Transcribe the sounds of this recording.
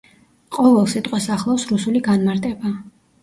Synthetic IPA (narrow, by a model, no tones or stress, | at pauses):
qʼɔvɛlˠsit̪ʼqʼwɛsaχlˠawsɾusuliɡanmaɾt̪ʼɛba